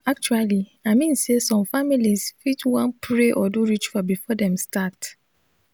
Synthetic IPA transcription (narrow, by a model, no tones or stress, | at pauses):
ak̚t͡ʃualiaɪmĩnsesɔ̃mfamilisfitwãnpɹeʔɔduɹit͡ʃfɔbifɔdɛ̃mstat